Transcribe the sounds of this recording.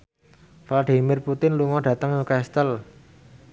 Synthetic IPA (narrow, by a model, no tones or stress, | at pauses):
flaɖimɪrput̪ɪnluŋɔɖ̥ä̤t̪əŋukaɛst̪əl